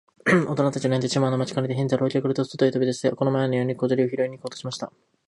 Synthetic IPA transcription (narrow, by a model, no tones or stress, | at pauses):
o̞t̪o̞nat̪at͡ɕianend̪et͡ɕimaanomat͡ɕi̥kaɾed̪eɦẽnzaɾo̞ːkʲokɯɾɯ̟t̪osot̪oit̪obid̪e̞sid̪eko̞no̞maenojo̞ːɲ̟ikod̪oɾʲioçiɾo̞iɲ̟ːiko̞ːt̪oɕimaɕi̥t̪a